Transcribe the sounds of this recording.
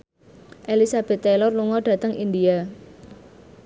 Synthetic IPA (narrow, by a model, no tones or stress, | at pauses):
ʔelisab̥ɛ̤t̪ːɛlɔrluŋɔɖ̥ä̤t̪əŋind̪ia